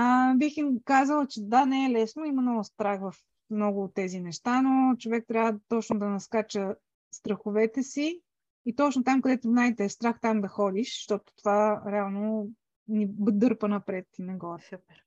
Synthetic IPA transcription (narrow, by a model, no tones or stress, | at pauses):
əbiximkazəlˠət͡ʃɛd̪anɛɛlɛsnoimɐnɔɡʊst̪ɾaxvɐf | mnɔɡʊːt̪ːɛzinɛʃt̪anot͡ʃovɛk̚t̪ɾʲavət̪ɔt͡ʃnod̪ɐnɐskat͡ʃə | st̪ɾɐxʊvɛt̪ɛsiː | t̪ɔt͡ʃnot̪amkɐd̪ɛt̪ʊznajt̪ɛːst̪ɾaxt̪amd̪ɐxɔd̪iʃʃt̪ɔt̪ʊ̥t̪ovaɾɛalˠno | nibd̪ɤɾpənɐpɾɛt̪ːnɛɡɔɐpɛɾ